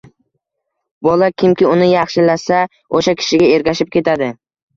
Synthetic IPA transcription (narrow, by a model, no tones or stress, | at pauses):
bɒlakʲʰɪmkʲɪʊnɪjɑχʃɪlasa | oʃakʲʰɪ̥ʃɪɡʲae̞ɾɡʲaʃɪp̚kʲʰe̞t̪ʰad̪ɪ